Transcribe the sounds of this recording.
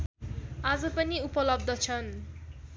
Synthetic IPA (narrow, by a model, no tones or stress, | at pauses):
ad͡zʌpʌniupʌlʌb̚d̪ʱʌt͡sʰʌn